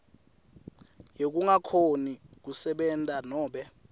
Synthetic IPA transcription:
jek̬uŋakʰonik̬usɛɓɛntʼanɔːɓɛ

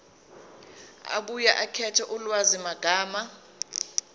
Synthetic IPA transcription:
a̰ɓujaʔakʰɛtʰɛʔulwazimaɡ̥ʱaːma

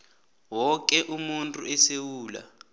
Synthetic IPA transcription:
wɔk̬ʼɛʔumuntʼuɛsewuːla̰

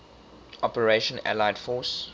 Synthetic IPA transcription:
ɔpəɹeʃə̃næ̰laɪdfɔːs

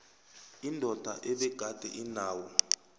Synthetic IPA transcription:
indʱɔd̥ʱa̰ʔɛɓɛɡ̥ʱad̥ʱɛʔinaːwɔ

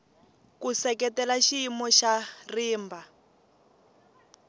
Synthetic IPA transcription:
kusɛkɛtɛlaʃiimɔʃariːmbʱa

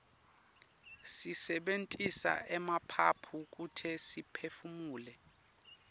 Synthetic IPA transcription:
sisɛɓentʼisa̰ʔɛmapʰa̰pʰuk̬ʼutʰɛsipʰefumuːlɛ

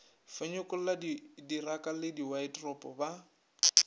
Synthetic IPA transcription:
feɲʊkʼʊl̩ladidirakʼalɪdiwaɪtrɔpʼɔba

